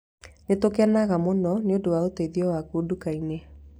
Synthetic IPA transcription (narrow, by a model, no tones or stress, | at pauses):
netokɛnaɣamonɔneodowaoteiðiɔwakuːdukaine